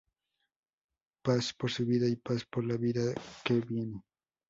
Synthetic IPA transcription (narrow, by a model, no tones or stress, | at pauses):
paspoɾsʊβiðaipaspoɾlaβiðakebinɪ